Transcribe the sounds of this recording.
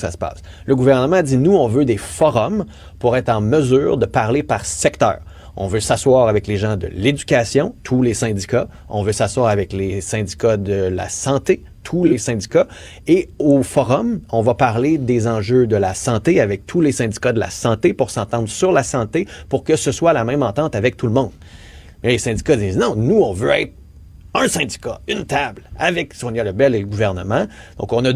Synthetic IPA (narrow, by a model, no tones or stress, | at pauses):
sa̰sə̥pa̰ːs | ləɡuvɛʁnəmɑ̃dd͡zinuɔ̃vød̪efɔʁɔm | puʁɛːt̪χɑ̃məzyːʁd̪əpaʁlepaʁsɛkt̪œ̰ːʁ | ɔ̰̃vøsaswaːʁavɛkleʒɑ̃d̪ə̰led͡zykʲasjɔ̃t̪ʰulesɛ̃dd͡zika | ɔ̰̃vøsaswaːʁavɛklesɛ̃dd͡zi̥kad̪əla̰sɑ̃t̪e | t̪ʰulesɛ̃dd͡zika | eofɔʁɔmɔ̃vapaʁled̪ezɑ̃ʒød̪əlasɑ̃t̪eavɛk̚t̪ʰulesɛ̃dd͡zi̥kad̪əla̰sɑ̃t̪epuʁsɑ̃t̪ɑ̃d̪ʁsyʁlasɑ̃t̪epuʁkəsəswaːlamɛ̃mɑ̃t̪ɑ̃t̪avɛk̚t̪ulmɔ̃d̪̥ | mɛlesɛ̃dd͡zikad̪iːznɔ̃nuɔ̃vøɛɪt̪χ | ə̃sɛ̃d͡zi̥kaynt̪ablavɛksonjaləbɛleəɡuvɛʁnəmɑ̃ | d̪̥ɔ̰̃kɔ̃nə